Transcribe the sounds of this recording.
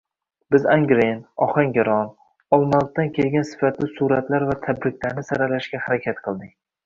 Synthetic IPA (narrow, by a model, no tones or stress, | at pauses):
b̥ɪzaŋɡɾenɒχaŋɡʲaɾɒn | ɒlˠmalˠt̚t̪ːankʲʰelɡʲansɪ̥fat̪lɪsuɾat̪laɾvat̪ʰabɾɪk̚ʲlaɾnɪsaɾalaʃɡʲahaɾakʲʰat̪qʰɨlˠd̪ɪk̚ʲ